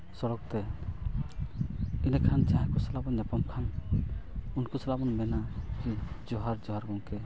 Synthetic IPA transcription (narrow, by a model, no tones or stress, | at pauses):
sɔɽɔk̚t̪ɛ | inɛkʰand͡ʒãɦkɔsalabɔnɲapɔmkʰan | unkusɔlabɔnmɛnakid͡ʒɔɦaɾd͡ʒɔɦaɾɡɔŋkɛ